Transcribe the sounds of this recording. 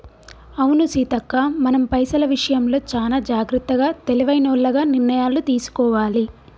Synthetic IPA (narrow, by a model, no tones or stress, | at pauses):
ɐwunusiːt̪ɐkːaːmɐnɐmpɐjsɐlɐʋiʂɐjɐmlo̞ːt͡ʃaːlaːd͡ʒaːɡɾut̪ːɐɡaːt̪e̞liʋɐjnɐːɭːɐɡaːniɾnɐjaːlut̪iːsu̥kɔːʋaːli